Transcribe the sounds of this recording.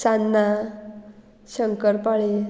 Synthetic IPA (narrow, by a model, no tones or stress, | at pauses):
sanːa | ɕəŋkəɾpaɭe